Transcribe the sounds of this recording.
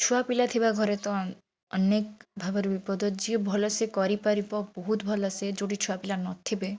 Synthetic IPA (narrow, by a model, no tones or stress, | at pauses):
t͡ʃʰuapilat̪ʰibaɡʱɔɾet̪ɔ | ənekbʱabaɾbipɔd̪ʱɔd͡ʒibʱɔlɔsekɔɾipaɾipɔbɔɦut̪bʱɔlɔsed͡ʒoɽit͡ʃʰuapilanɔt̪ʰibe